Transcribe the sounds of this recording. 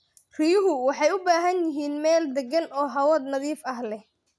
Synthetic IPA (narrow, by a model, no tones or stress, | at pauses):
rijʊɦʊwɑħɑjʊbaːɦɐnjɪɦiːnmɛːld̪ɛɡɐnɔːɦɐwɐd̪nɐðiːfɐɦlɛh